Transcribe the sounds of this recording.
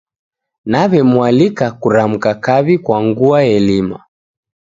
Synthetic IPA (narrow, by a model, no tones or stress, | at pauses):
naβɛmualikakuɾam̩kakaβikwaŋɡuaɛlima̰